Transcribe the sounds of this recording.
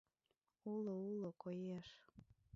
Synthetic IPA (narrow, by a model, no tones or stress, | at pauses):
uloulokojeʃ